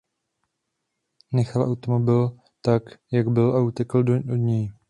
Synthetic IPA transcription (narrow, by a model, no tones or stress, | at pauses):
nɛxalʔawt̪omo̞bɪl | t̪akjaɡbɪlʔaut̪ɛkl̩od̪ɲɛj